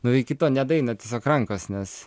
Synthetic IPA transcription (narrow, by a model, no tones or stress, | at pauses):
nʊʋʲɐɪkʲɪt̪oːnʲɛd̪ɐɪnɐt̪ʲiɛsʲoːkrɐŋkoːsnʲɛs